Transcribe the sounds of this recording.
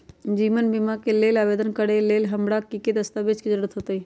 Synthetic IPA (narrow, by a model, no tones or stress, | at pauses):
d͡ʒiːʋənbɪmakeleːlaːʋeːd̪ənkəɽeleːlɦɐmɽakiked̪əst̪abed͡ʒkid͡ʒəɽət̪ɦoːt̪ei